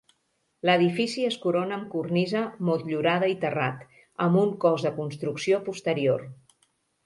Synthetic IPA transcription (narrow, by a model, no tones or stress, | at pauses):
ləðifisiəskuɾonəːŋkurnizəmolt̪ʎuɾað̞əit̪əra̰t̪ | əmbuŋkɔzðəkunst̪ɾuksiopust̪əɾior